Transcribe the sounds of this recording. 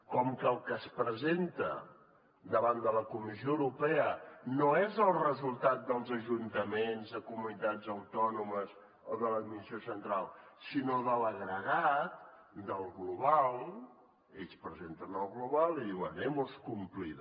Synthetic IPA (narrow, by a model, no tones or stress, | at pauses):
kɔmkəːlˠkəspɾəzent̪ə̰ | d̪əβand̪ələkumizioəwɾupɛənoezəlˠrəzulˠt̪at̪̚d̪əlˠzəʒunt̪əmenzðəkumunit̪ad͡zəwt̪ɔnuməz | oðələkumisiosənt̪ɾalˠsinoðələɣɾəɣat̪̚ | d̪əlˠɣluβalˠ | espɾəzent̪ənəlˠɣluβalˠiðiwənɛmuskumplið